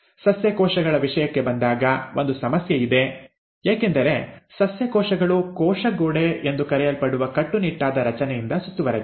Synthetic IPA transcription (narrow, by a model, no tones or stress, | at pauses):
sɐsjɐkɔːʃɐɡɐɭɐʋiʂɐjɐkːe̞bɐnd̪aːɡɐʔo̞nd̪usɐmɐsjɐid̪e̞ | jaːke̞nd̪ɐɾe̞sɐsjɐkɔːʂɐɡɐɭukɔːʂɐɡoːɽeend̪ukɐɾɛjɐlpɐɽuʋɐkɐʈːuniʈːaːd̪ɐɾɐt͡ʃɐnɛjind̪ɐsut̪ːuʋɐɾed̪u